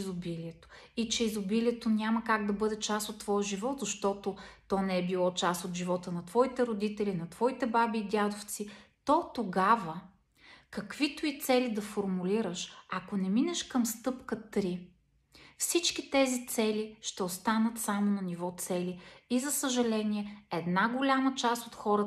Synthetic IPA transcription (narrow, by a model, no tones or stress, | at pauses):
zobiliɛt̪o̥it͡ʃɛizobiliɛt̪onʲaməkaɡ̚d̪ɐbɤd̪ɛt͡ʃasot̪ːvɔjəʒivɔt̪zɐʃt̪ɔt̪ot̪ɔnɛɛbilˠɔt͡ʃasot̪ʒivɔt̪ənɐt̪vɔit̪ɛɾod̪it̪ɛlinɐt̪v̥ɔit̪ɛbabiːd̪ʲad̪oft̪sit̪ɔt̪oɡavə | kɐkvit̪ʊit̪sɛlid̪ɐfoɾmuliɾəʃɐkonɛminɛʃkəmst̪ɤpkət̪ɾi | fsit͡ʃkʲit̪ɛzit̪sɛliʃt̪ɛost̪anət̪samonɐnivɔt̪sɛliizɐsəʒɐlɛniɛɛd̪naɡolʲamət͡ʃast̪ot̪xɔɾə